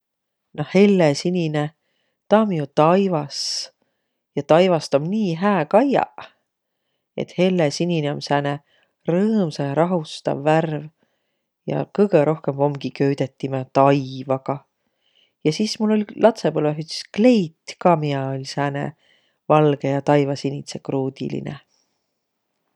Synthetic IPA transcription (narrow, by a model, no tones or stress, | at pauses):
nohe̞lːesinine | t̪ɑːmiut̪ɑjvɑs | jɑt̪ɑjvɑst̪omniːɦæːkɑjɑ̰ | e̞̰t̪he̞lːesinʲineomsæːne | rɤːmseɾɑɦust̪ɑ̰vːærv | jɑ̰kɤjɡeɾʔo̞hke̞mvo̞mɡ̥ikø̞yd̪̥e̞t̪ːimet̪ɑjvɑɡ̥ɑ | jɑsismulːo̞lʲlʔɑt̪seb̥olvæɦyt̪si̥skle̞jt̪kɑːmiɑolʲsæːnḛ | vɑlɡe̞jɑt̪ɑjvɑsinʲit̪se̞kruːd̪̥ḭlḭnḛ